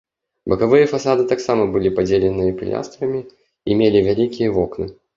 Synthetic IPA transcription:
bɐkavɨjəfasad̪ɨt̪aksamɐbɨlʲipad͡zʲelʲɪnɨjɐpʲɪ̰lʲa̰st̪ɾɐmʲi | imʲelʲivʲalʲikʲijəvɔknɨ

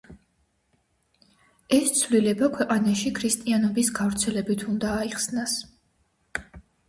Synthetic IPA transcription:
ɛst̪sʰvlilɛbakʰwɛqʼanaʃikʰɾist̪ʼianɔbisɡavɾt̪sʰɛlɛbit̪ʰund̪aːiχsnas

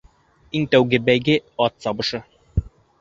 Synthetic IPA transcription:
iŋt̪æwɡɘbæjɡɘɑt̪sɑbɤ̆ʃɤ

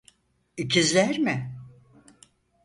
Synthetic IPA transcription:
icʰizlʲæɾmɪ

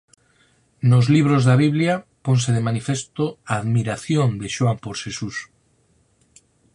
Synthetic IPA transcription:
nozliβ̞ɾozðaβ̞iβ̞ljapons̬eðemanifest̪oaːðmiɾaθjond̪eʃoampoɾʃesus

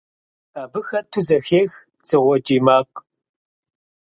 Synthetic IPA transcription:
aːbɨxɐtʰuzɐxeːx | t͡sʼɨʁʷɔd͡ʒʼiːmaːq

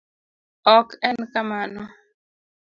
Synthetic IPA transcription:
ɔkɛnkamanɔ

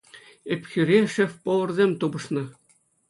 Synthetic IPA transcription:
epʲxʲyɾʲeʂɘ̆fpŏlˠɤ̆rzʲemʲt̪ubɤ̆ʂnɤ̆

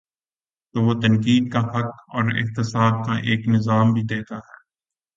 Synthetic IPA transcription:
t̪oːʋoːt̪ɐnkiːd̪̚kafɐkɔːɾɪ̰ht̪ɪsaːb̚kaʔeːknɪzaːmbʱid̪eːt̪aɦɛː

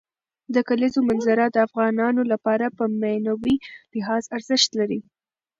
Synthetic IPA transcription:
d̪əkalizomanzaɾad̪əafɣɑnɑnolapɑɾapəmanawilɪɦɑzaɾzəʃt̪laɾi

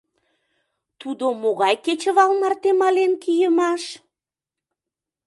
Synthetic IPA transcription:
t̪ud̪omoɣɑjket͡ɕə̆βɑlmɑrt̪emɑlenkijəmɑʃ

